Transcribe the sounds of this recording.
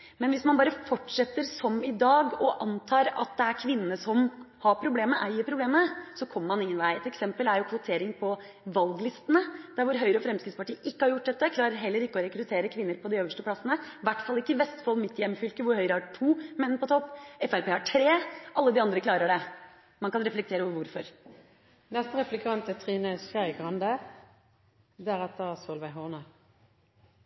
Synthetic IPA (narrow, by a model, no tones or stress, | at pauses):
mɛnʋɪsmɑnbɑːɾəfɔʈːʂɛt̪ːəɾsɔmɪd̪ɑːɡɔʔɑnt̪ʰɑːɾɑ̰t̪̚d̪ɛæɾkʰʋɪnːənəsɔm | hɑɾpʰɾʊbleːməʔæɪəpʰɾʊbleːməsɔkʰɔmːəmɑnɪŋːənʋæɪɛt̪ɛksɛmpəlæɾjʊkʰʋʊt̪ʰeːɾɪŋpʰɔ | ʋɑlɡlɪst̪ənəd̪̥æɾʋʊɾɦœʏɾəɔfɾɛmskɾɪt̪spɑʈiːʔɪkːəhɑɾjʊʈ̚ːd̪ɛt̪ːəkʰlɑːɾəɾɦɛlːəɾɪkːəɔɾɛkɾʉt̪ʰeːɾəkʰʋɪnːəɾpʰɔd̪ɪøːʋəʂʈəpʰlɑsənəʋæʈːfɑlːɪkːəʋɛst̪fɑlmɪt̪ːjɛmːfʏlkəʋʊɾhœʏɾəhɑʈʰuːmɛnːpɔt̪ʰɔpːɛfæɾpeːhɑʈʰɾeːɑlːəd̪ɪɑnd̪ɾəkʰlɑːɾəɖɛ | mɑnkɑnɾɛflɛkt̪ʰeːɾəɔʋəɾʋʊɾfɔɾ | nɛst̪əʁɛflɛkʰɑnt̪ət̪ʰʁiːnəsæɡʁɑnd̪ə | d̪æʁɛt̪ːəʁsɔlʋæɪɦɔʁnə